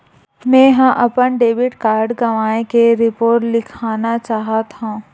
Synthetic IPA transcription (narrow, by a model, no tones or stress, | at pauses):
mɛ̃ɦãʔɐpənɖeːʋɪʈkaːɾɖɡɐʋaːẽkeɾɪpoːɾʈlɪkʰaːnat͡ʃaːɦat̪ɦũː